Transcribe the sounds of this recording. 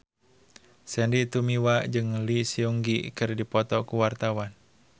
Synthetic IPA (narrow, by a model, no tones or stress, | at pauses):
sɛndit̪umiwad͡ʒɨŋlisiuŋɡikɨrdipɔt̪ɔkuwart̪awan